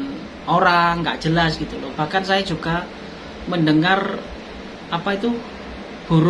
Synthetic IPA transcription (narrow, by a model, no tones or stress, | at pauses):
oɾaŋːɡa̰ʔʒ̥əlasɡ̥it̪ulob̥a̤hkansajḁd͡ʒuɡa | məndəŋar | apait̪u | b̥ṳɾ